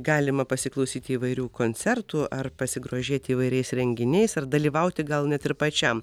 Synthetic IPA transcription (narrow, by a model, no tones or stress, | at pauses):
ɡɑːlʲɪmɐpɐsʲɪklˠɐʊsʲiːt̪ʲɪiːʋɐɪɾʲuːkoːnʲt͡s̪sʲɛɾt̪uːʔɐrpɐsʲɪɡɾoːʒʲeːt̪ʲɪiːʋɐɪɾʲɛɪsɾʲɛŋʲɡʲɪnʲɛɪsɐrd̪ɐlʲiːʋɐʊt̪ʲɪɡɐlˠnʲɛt̪ɪɾpɐt͡ʃʲɛm